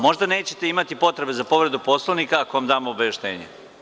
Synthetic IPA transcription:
mo̞ʒd̪ane̞ːt͡ɕe̞̥t̪e̞imat̪ipo̞t̪ɾe̞be̞zapo̞ʋɾe̞d̪upo̞slˠoʋnikaːkoomd̪aːmoːbajeʃt̪ḛːɲe

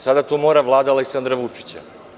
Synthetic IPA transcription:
sad̪at̪omoːɾaʋlˠaːd̪aaleksand̪ɾaʋut͡ʂi̥t͡ɕa̰

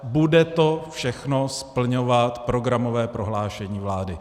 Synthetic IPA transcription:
budɛt̪ofʃɛxnospl̩ɲo̞vat̪pɾo̞ɡɾamo̞vɛːpɾo̞ɦlaːʃɛɲiːvlaːdɪ

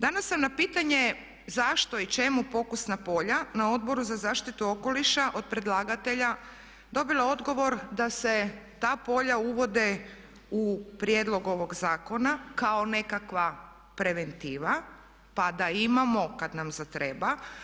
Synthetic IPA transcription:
d̪anasːamnapiːt̪aɲe̞ | zaʃt̪o̞it͡ʃe̞mupo̞kusnapo̞ʎanao̞d̪̚bo̞ɾuzazaːʃt̪it̪uo̞ko̞liʃaʔo̞d̪̚pɾe̞d̪lˠaːɡat̪e̞ʎa | d̪o̞bilˠao̞d̪ɡo̞ʋo̞ɾd̪ase̞t̪aːpo̞ʎauʋo̞d̪e | upɾjed̪lˠo̞ɡo̞ʋo̞ɡzaːko̞nakaone̞kakʋa | pɾe̞ʋe̞nt̪iːʋa | pad̪aimamo̞kad̪namzat̪ɾe̞ba

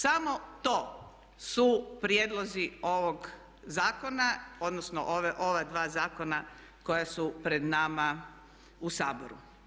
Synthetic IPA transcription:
samo̞t̪o̞ː | supɾjed̪lˠozio̞ʋoɡ | zaːko̞naod̪nosno̰ʔoʋeʔo̞ʋad̪ʋaːzaːko̞na | ko̞jasupɾed̪nama | usaːbo̰ɾṵ

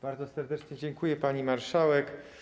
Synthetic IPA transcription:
b̥aɾd̪zɔsɛɾd̪ɛt͡ʂɲɛd͡ʑɛŋkujɛpaɲimaɾʂawɛk

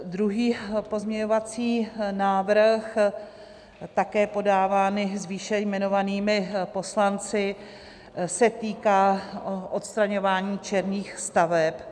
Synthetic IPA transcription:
d̪ɾuɦiːpo̞zmɲɛɲo̞vat͡siːnaːvɾx | t̪akɛːpo̞daːvaːnɪzviːʃɛjmɛno̞vaniːmɪpo̞slant͡sɪ | sɛt̪iːkaːʔo̞t̪st̪ɾaɲo̞vaːɲiːt͡ʃɛɾniːxst̪avɛp

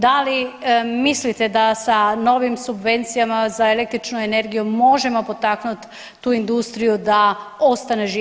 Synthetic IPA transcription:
d̪alimislit̪e̞d̪asano̞ʋimsubʋe̞nt̪sijamazaele̞k̚t̪ɾit͡ʃnuene̞ɾɡijumo̞ʒe̞mo̞po̞t̪aknut̪ː | uːind̪ust̪ɾijud̪ao̞st̪aneʒi

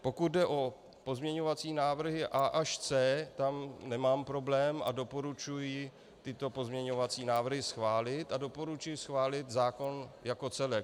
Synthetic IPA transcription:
po̞kut̪̚dɛʔo̞ | po̞zmɲɛɲo̞vat͡siːnaːvr̩ɦɪʔaːʔaʃt͡sɛːt̪amnɛmaːmpɾo̞blɛːma̰do̞po̞ɾut͡ʃujɪ | t̪ɪt̪o̞po̞zmɲɛɲo̞vat͡siːnaːvr̩ɦɪsxvaːlɪt̪ado̞po̞ɾut͡ʃujɪsxvaːlɪt̪zaːko̞njako̞t͡sɛlɛk

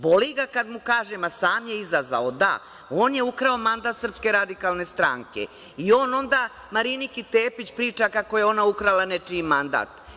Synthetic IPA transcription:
bo̞liɡakad̪mukaːʒemasaːmje̞izazʋa̰od̪a̰ | oːnje̞ukɾao̞mand̪aːt̪sr̩pske̞ɾad̪ikaːlˠne̞st̪ɾaːŋke̞̰ | io̞ːno̞nd̪aː | maɾinikit̪eːpit͡ɕpɾiːt͡ʃakako̞jeo̞naukɾalanet͡ʃimand̪a̰ːt̪

